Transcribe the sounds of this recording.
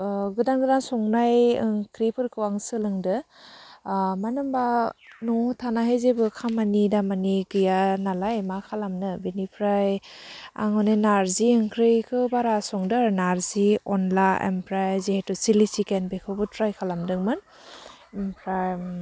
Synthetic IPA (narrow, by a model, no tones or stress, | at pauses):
ɡɯdaŋɡɯdaŋsɔŋnajɯŋkʰɾipʰɯɾkʰɯwaŋsɯlɯŋdɯ | manɯmbanɔtʰanaɦezebɯkʰamanidamaniɡɯjanalajmakʰalamnɯbinipʰɾaja̰ŋɔnenaɾziɯŋkʰɾɯjkʰɯbaɾasɔŋdɯɾnaɾziɔnlaḛmpʰɾajzehetɔsilisikenbekʰɯbɯtpʰɾajkʰalamdɯŋmɯn | empʰɾaj